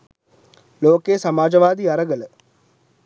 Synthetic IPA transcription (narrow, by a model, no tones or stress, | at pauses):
loːkeːsɐmaːd͡ʒɐʋaːd̪iɐɾɐɡɐlə